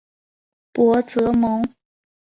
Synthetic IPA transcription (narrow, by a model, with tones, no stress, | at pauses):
pwɔ˧˥t͡sɤ˧˥mɤ˧˥ŋ